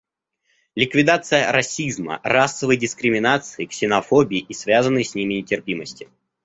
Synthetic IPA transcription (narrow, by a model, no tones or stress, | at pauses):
lʲɪkvʲɪd̪at̪sɨjəɾɐsʲizmə̰rasːəvəjdʲɪskɾʲɪmʲɪnat̪sɨɪksʲɪnɐfobʲɪːʔisvʲazənːɨjsʲnʲimʲɪnʲɪtʲɪrpʲiməsʲtʲɪ